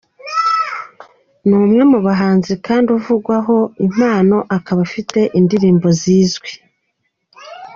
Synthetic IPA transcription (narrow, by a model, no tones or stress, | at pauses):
nuːmŋe̞muβaɦaːnzikaːnduvuɡwaɦo̞im̥aːno̞ʔakaβafite̞ʔindiɾiːmbo̞ziːzɡwi